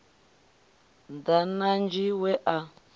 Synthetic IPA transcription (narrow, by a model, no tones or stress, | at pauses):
ndanand͡ʒiwɛʔa